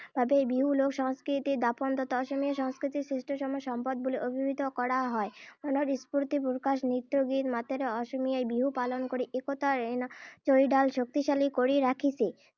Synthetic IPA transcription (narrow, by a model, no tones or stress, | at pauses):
bʱabeebiɦulokʃɔŋskɾit̪iɾd̪apond̪ɔt̪oɔʃomiaʃɔŋskɾit̪isɾisʈoʃɔmɔeʃɔmpad̪̚boliʔobʱibʱit̪okɔɽaɦɔemonoɾispuɾt̪ipuɾkaʃnɾit̪ːɾoɡit̪mat̪eɾeɔʃomijaejbiɦupalonkoɾiʔekot̪aɾent͡ɕojɖalʃok̚t̪iʃalikoɾiɾakʰit͡ɕʰe